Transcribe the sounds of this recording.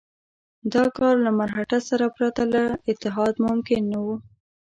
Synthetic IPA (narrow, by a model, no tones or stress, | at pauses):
d̪ɑkɑɾlamaɾxaʈasaɾapɾat̪alaɪt̪ːɪɦɑd̪mʊmkɪnːawu